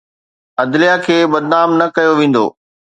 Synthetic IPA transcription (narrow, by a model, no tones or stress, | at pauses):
ɐd̪lijakʰeːbɐd̪̚naːmnɐkɐjoʋẽːn̆d̪o̰ː